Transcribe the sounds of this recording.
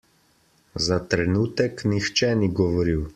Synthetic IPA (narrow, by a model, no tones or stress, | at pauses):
zat̪ɾɛnuːt̪ɛknixt͡ʃɛniɡɔʋɔɾiw